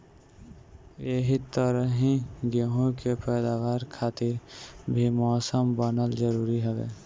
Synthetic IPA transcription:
eɦit̪əɾəɦĩɡeɦõkepɛːd̪aːʋaːɾkʰaːt̪ɪɾbʱimɔːsəmbənəld͡ʒəɾuːɾiɦoʋḛː

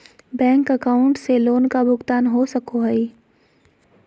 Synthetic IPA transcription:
bɛ̃ːŋkəkaːʊ̃ɳʈseloːnkabʊɡt̪aːnɦosɐkoɦɛi

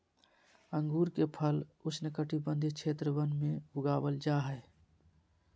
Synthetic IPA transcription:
əŋɡuɾkepʰəlusnəkəʈibənd̪ʱit͡ʃʰet̪ɾəbənmeuɡabəld͡ʒaɦəj

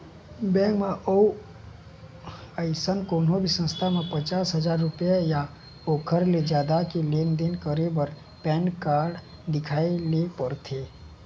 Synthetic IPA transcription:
bɛ̃ːkmẽʔou | əɪsənkoːnõbʱisə̃nst̪ʰamẽpət͡ʃaːsɦəzaːɾːʊpjaja | oːkʰəɾled͡ʒjaːd̪akileːnd̪ɪnkəɾebəɾ | pɛ̃ːnkaːɾɖ | d̪ɪkʰaːilepəɾt̪ʰeː

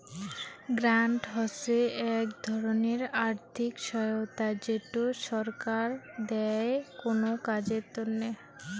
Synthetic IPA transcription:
ɡɾaɳʈɦɔseɛkd̪ʱɔɾoneɾaɾt̪ʰikʃɔjot̪ad͡ʑeʈoʃɔɾkaɾd̪ɛkonokad͡ʑeɾt̪onne

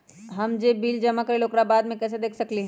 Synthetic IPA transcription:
ɦɐmd͡ʒeːbiːld͡ʒɐmakəɾiloːkɾabaːd̪mẽkɛːs̬ed̪eːkʰsɐkliɦɛ̃

